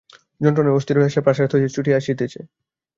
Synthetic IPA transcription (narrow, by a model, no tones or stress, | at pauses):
d͡ʑɔnʈɾɔneost̪iɾbʱeʃapɾaʃaɾt̪ʰod͡ʑit͡ɕuʈiaʃet̪et͡ɕʰe